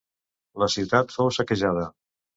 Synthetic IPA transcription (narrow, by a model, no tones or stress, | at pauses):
ləsiwt̪at̪fowsəkəʒað̞ə